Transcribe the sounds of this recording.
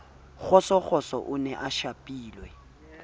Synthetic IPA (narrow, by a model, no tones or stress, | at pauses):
k͡xɔsɔk͡xɔsɔ̰ʔʊnɛʔaʃapʼiːlwɛ